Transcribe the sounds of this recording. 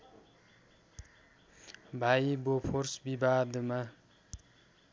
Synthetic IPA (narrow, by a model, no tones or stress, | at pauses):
bʱajibopʰoɾsbibaːd̪əma